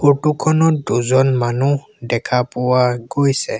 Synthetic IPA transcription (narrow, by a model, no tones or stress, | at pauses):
otukʰɔnɔtduzɔnmanu | dɛkʰapʊwaɡojsɛ